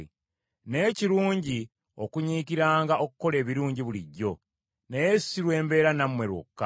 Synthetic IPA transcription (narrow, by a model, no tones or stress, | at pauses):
ne̞ːciɾuːɲɟi | o̞kuɲiːkiɾaːŋɡaʔo̞kukːo̞le̞ːβiɾuːɲɟiβuliɟːo̞ | nejesiɾwe̞ːmbe̞ːɾanamwe̞ɾwo̰kːa